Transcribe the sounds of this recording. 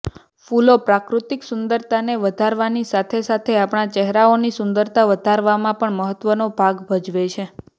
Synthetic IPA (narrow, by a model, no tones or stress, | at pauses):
fulopɾakɾut̪iksʊnd̪əɾt̪ʰaneʋəd̪ʱaɾʋanisat̪ʰesat̪ʰeapɳat͡ʃɛɦɾaonisʊnd̪əɾt̪ʰaʋəd̪ʱaɾʋamãpəɳməɦət̪ʋənobʱaɡbʱəd͡ʒʋet͡ʃʰe